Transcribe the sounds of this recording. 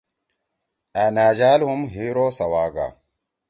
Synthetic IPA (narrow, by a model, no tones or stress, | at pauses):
anaːd͡ʒaːlhumɦiɾosawaːɡa̰